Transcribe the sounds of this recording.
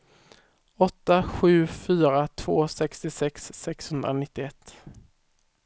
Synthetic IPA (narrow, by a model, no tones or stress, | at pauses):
ɔt̪ːaɧʉ̟ːfyːɾat̪ʰv̥oːsɛkst̪ɪsɛksːɛkshɵnd̪ɾa̰nɪt̪ːɪɛt̪ː